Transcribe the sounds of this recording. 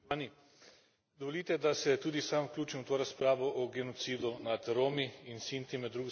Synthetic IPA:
ani | d̪ɔʋoliːt̪ɛd̪asɛt̪uːd̪isamwklʲuːt͡ʃimwt̪oːɾaspɾaːʋɔʔɔɡɛnɔt̪siːd̪unat̪ɾoːmiinsint̪imɛd̪ːɾuːɡ

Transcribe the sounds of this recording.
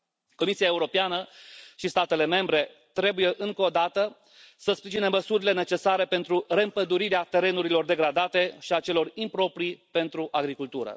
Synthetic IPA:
ko̞misiaeuɾo̞peanəʃist̪at̪e̞le̞me̞mbɾe̞ | t̪ɾe̞buje̞ʔɨŋko̞d̪at̪ə | səspɾiʒineməsuɾile̞ne̞t͡ʃe̞saɾe̞pe̞nt̪ɾure̞ɨmpəd̪uɾiɾeat̪e̞ɾe̞nuɾilo̞rd̪e̞ɡɾad̪at̪e̞ʃiat͡ʃe̞lo̞rimpɾo̞pɾipe̞nt̪ɾuʔaɡɾikult̪uɾə̰

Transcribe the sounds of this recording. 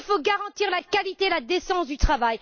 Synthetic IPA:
foɡaʁɑ̃t̪iʁlakalit̪elad̪esɑ̃sd̪yt̪χavaj

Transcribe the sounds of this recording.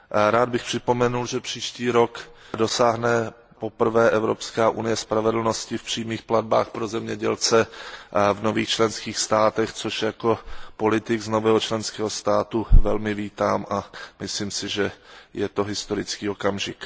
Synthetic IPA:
ɾaːd̪̚bɪxpr̥ɪpo̞mɛnulʒɛpr̝̥iːʃciːɾo̞kdo̞saːɦnɛ | po̞pr̩vɛːʔɛvɾopskaːʔunɪjɛspɾavɛdl̩no̞scɪfpr̝̥iːmiːxplad̪̚ba̰ːxpɾozɛmɲɛɟɛlt͡sɛ | vno̞viːxt͡ʃlɛnskiːxst̪aːt̪ɛxt͡soʃjako̞po̞lɪt̪ɪɡzno̞vɛːɦot͡ʃlɛnskɛːɦost̪aːt̪uvɛlmɪviːt̪aːmʔamɪsliːmsɪʒɛjɛt̪o̞ɦɪst̪o̞ɾɪt͡skiːo̞kamʒɪk

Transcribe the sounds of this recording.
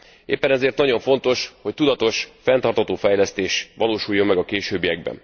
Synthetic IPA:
ḛːpːɛnɛzeːrt̪nɒɟo̞ɱfo̞nt̪o̞ʃho̞c̚t̪ud̪ɒt̪o̞ʃfɛnt̪ɒrt̪hɒt̪oːfɛjlɛst̪eːʃʋɒloːʃujːo̞mːɛɡɒkeːʃøːbijɛɡ̚bɛ̰n

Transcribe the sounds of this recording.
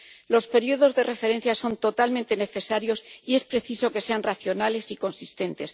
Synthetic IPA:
lo̞spe̞ɾioðo̞zðe̞re̞fe̞ɾe̞n̟θjaso̞nt̪o̞t̪almẽnt̪e̞ne̞θe̞saɾjo̞sie̞spɾe̞θiso̞ke̞se̞anraθjo̞nale̞siko̞nsist̪e̞nt̪e̞s

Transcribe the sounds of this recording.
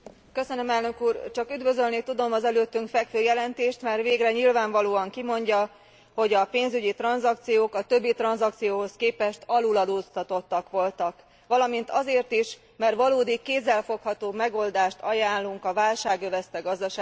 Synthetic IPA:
kø̞sønømɛlnø̞kuːrt͡ʃɒkyd̪vø̞zølnit̪ud̪o̞mɒzɛløːt̪ːyŋkfɛkføːjɛlɛnt̪eːʃt̪mɛrʋeːɡrɛɲilvaːɱvɒloːɒŋkimo̞ɲɟɒ | ho̞ɟɒpeːnzyɟit̪rɒnzɒk̚t̪sijoːkɒt̪ø̞bːit̪rɒnzɒk̚t̪sijoːɦo̞skeːpɛʃt̪ɒlulɒd̪oːst̪ɒt̪o̞t̪ːɒkʋo̞lt̪ɒk | ʋɒlɒmint̪ɒzeːrt̪iʃ | mɛrtʋɒloːd̪ikːeːzːɛlfo̞khɒt̪oːmɛɡo̞ld̪aːʃt̪ɒjaːnlːuŋkɒvaːlʃaːɡøvɛst̪ɛɡɒzd̪ɒʃaː

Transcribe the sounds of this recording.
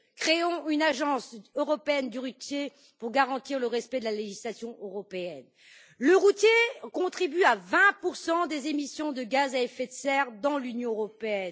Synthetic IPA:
kχeɔ̃ynaʒɑ̃søʁɔpeɛnd̪yʁut̪je | puʁɡaʁɑ̃t̪iʁləʁɛspɛd̪əlaleʒislasjɔ̃ʔøʁɔpeɛn | ləʁut̪jekɔ̃t̪χibyavɛ̃puʁsɑ̃d̪ezemisjɔ̃d̪əɡazaɛfɛt̪sɛʁd̪ɑ̃lynjɔ̃øʁɔpeɛn

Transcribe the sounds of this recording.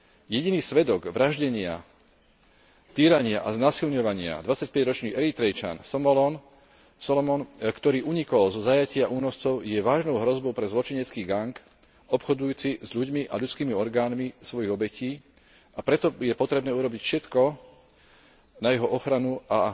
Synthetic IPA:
jɛɟiniːsʋɛd̪ɔɡʋɾʔaʒɟɛɲɪa̰ | t̪iːɾaɲɪaʔaznaːsilɲɔʋaɲɪa̰d̪ʋat͡sac̚pɛɟɾɔt͡ʃniːʔɛɾit̪ɾɛjt͡ʃa̰nsɔmɔlɔn | sɔlɔmɔnkt̪ɔɾiːʔuɲikɔlzɔzajacɪaʔuːnɔst͡sɔʊjɛʋaːʒnɔʊɦɾɔzbɔʊpɾɛzlɔt͡ʃiɲɛt͡skiːɡaŋk | ɔpxɔd̪ujuːt͡sizʎuɟmiʔa̰ʎut͡skiːmiɔɾɡaːnmisʋɔjiɣɔbɛciː | apɾɛt̪ɔjɛpɔt̪ɾɛbnɛːuɾɔbicfʃɛt̪kɔ | najɛɦɔʔɔxɾanua

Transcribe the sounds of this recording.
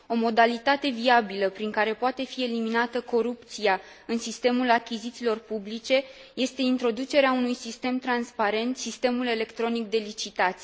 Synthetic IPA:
o̞mo̞d̪alit̪at̪e̞viabiləpɾiŋkaɾe̞poat̪e̞fie̞liminat̪əko̞ɾup̚t̪sia | ɨnsist̪e̞mulakʲizit̪silo̞rpublit͡ʃe̞je̞st̪e̞int̪ɾo̞d̪ut͡ʃe̞ɾeaunujsist̪e̞mt̪ɾanspaɾe̞nt̪sist̪e̞mule̞le̞kt̪ɾo̞nik̚d̪e̞lit͡ʃit̪at̪sʲ

